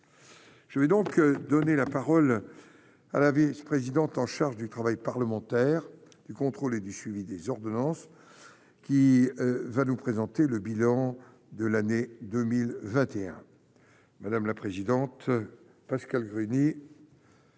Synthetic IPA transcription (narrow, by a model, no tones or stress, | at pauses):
ʒ̥əvɛd̪ɔ̃kd̪ɔnelapaʁɔl | a̰lavispχezid̪ɑ̃t̪ɑ̃ʃaʁʒd̪yt̪χavajpaʁləmɑ̃t̪ɛʁ | d̪̥ykɔ̃t̪χoled̪ysɥivid̪ezɔʁd̪ɔnɑ̃s | kʲi | vanupχezɑ̃t̪eləbilɑ̃ | d̪əlaned̪əmilvɛ̃t̪eɛ̰̃ | mad̪amlapχezid̪ɑ̃t̪ | paskalɡʁyni